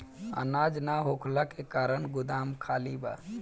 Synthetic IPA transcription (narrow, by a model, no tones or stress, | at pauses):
ə̰nad͡ʒnaɦokʰlakekaɾənɡʊd̪amkʰaliba̰